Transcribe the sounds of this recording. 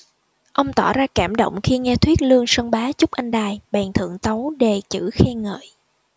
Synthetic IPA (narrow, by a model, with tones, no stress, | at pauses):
ʔə˧wŋ͡mt̪ɔ˧˩zaː˧kaː˧˩mɗə̰˧˨wŋ͡mxi˧ŋɛ˧t̪ʰwi˦˥ət̚lɨ˧əŋsə˧nɓaː˨˦t͡ɕʊ˦˥k͡p̚ʔa˧jŋɗaː˨˩jɓɛː˨˩nt̪ʰɨ̰˧˨əŋt̪ə˨˦wɗe˨˩t͡ɕɨ̰˧˩xɛ˧ŋə̰ː˧˨j